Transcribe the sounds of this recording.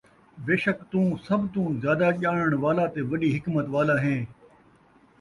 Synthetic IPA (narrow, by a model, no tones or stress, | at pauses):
beːʃəkt̪ũːsɐbt̪ũːzjaːd̪aʄaːɳ̃əɽ̃ʋaːlat̪eʋɐɗiːɦɪkmət̪ʋaːlaɦẽː